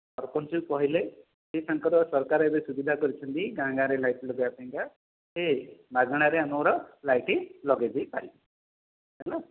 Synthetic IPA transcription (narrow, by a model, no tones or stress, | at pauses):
ʌɾkɔnt͡ʃupɔɦile | sesãŋkɔɾɔsɔɾkaɾebesubid̪ʱakɔɾit͡ʃʰʌnt̪iɡãŋɡaɾelajʈlɔɡejapɛ̃ŋka | semaɡɽ̃aɾeanɔwɾɔlajʈelɔɡed̪ipali | ɦɛla